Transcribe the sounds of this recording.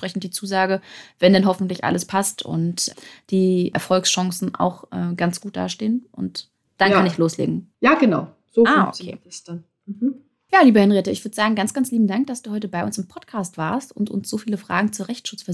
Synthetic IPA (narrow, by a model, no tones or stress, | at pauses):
pʁ̥ɛçn̩t̚d̥iːt͡suːzaːɡəvɛndɛnɦɔfn̩tlɪçʔa̰ləspʰastʰʔʊ̰ntd̥iːʔɛ̰ɐfɔlksʃɔŋsn̩ʔa̰ʊxʔɛ̰ːɡant͡sɡ̥uːt̚d̥a̰ːʃteːənʔʊ̰nt | d̥ankʰanɪçloːslḛːɡŋ̩jaːɡənaʊ | z̥oaːʔo̰kʰḛːstan | m̩hm̩ | jaːliːbəhɛnʁeːtəɪçv̥ʏɐdəz̥aːɡŋ̩ɡant͡sɡ̥ant͡sliːbm̩daŋk̚d̥asd̥uːhɔʏtəbaɪʊnsɪmpʰɔtkʰaːstv̥aːɐstʊntʔʊ̰nsz̥oːfiːləfʁ̥a̰ːɡŋ̩t͡suːɐʁɛçtʃʊt͡sfɛɐ